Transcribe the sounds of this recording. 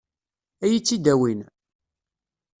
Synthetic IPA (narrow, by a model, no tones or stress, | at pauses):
æjit͡sːid̪æwin